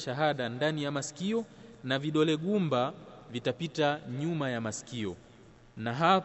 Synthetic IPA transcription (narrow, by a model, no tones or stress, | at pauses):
ʃaɦaɗandanijamasi̥kiɔnaviɗɔlɛɡumba | vitapitaɲumajamasi̥kiɔ̰ | naɦa